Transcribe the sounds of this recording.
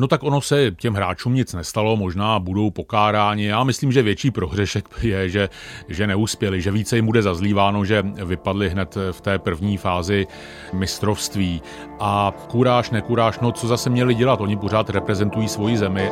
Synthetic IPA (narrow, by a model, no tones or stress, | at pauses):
not̪akʔo̞no̞sɛcɛmɦɾaːt͡ʃuːmɲɪt͡snɛst̪alo̞mo̞ʒnaːbudo̞wpo̞kaːɾaːɲɪjaːmɪsliːmʒɛvjɛt͡ʃiːpɾo̞ɦr̝ɛʃɛkjɛʒɛʒɛnɛuspjɛlɪʒɛviːt͡sɛjɪmbudɛzazliːvaːno̞ʒɛvɪpadlɪɦnɛt̪ft̪ɛːpr̩vɲiːfaːzɪ | mɪst̪ɾo̞fst̪viː | ʔakuɾaːʃnɛkuɾaːʃno̞t͡so̞zasɛmɲɛlɪɟɛlat̪ʔo̞ɲɪp̬o̞ɾ̝aːt̪ɾɛpɾɛzɛnt̪ujiːsvo̞jɪzɛmɪ